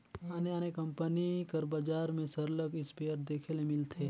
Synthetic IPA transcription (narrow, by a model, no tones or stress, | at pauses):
aːneaːnekɐmpənikəɾbɐd͡ʒaːɾmẽsəɾləkɪspeːəɾd̪eːkʰelemɪlt̪ʰeː